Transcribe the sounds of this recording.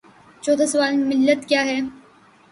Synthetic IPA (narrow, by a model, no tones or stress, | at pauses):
t͡ʃɔːt̪ʰasɐʋaːlmɪlːət̪kjaːɦɛː